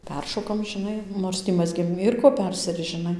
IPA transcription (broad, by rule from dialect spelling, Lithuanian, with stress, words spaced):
ˈpʲɛrʃoːkɐm ʒʲɪˈnɐɪ ˈnoːrs tʲiː ˈmɑːzʲɡʲeːm ˈiːr koː ˈpʲɛrʲsʲɪrʲɪst͡s ʒʲɪˈnɐɪ